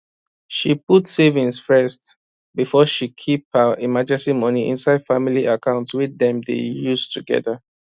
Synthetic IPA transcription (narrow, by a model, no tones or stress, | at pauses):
ʃiputsevĩnsfɛst | bifɔʃikʰip̚həimad͡ʒɛ̃nsimʌniʔḭ̃nsaɪd̥familiakʰãʊ̃ntswidɛ̃mdḛjuztʰuɡɛ̰ðə